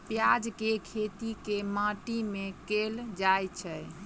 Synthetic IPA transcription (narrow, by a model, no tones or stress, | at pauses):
pjad͡ʒkekʰet̪ikemãʈimẽkeld͡ʒajt͡ʃʰɛ